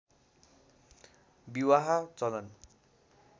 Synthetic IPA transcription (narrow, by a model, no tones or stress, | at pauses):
biwaɦat͡sʌlʌn